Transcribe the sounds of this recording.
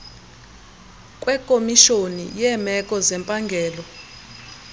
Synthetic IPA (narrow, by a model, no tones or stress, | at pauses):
kʼwɛkʼomiʃonḭjɛmɛkʼɔzɛmpʼaŋɡʱɛːlɔ